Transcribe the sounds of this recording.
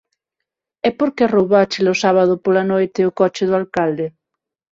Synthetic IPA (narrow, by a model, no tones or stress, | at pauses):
ɛpoɾkerowβat͡ʃelosaβað̞ʊpolanojt̪eokɔt͡ʃɪðʊalkald̪e